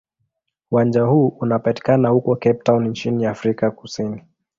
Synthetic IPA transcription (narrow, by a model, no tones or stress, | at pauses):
uwand͡ʒahuːʔunapati̥kanahukɔkɛp̚tawnint͡ʃiniafɾikakusini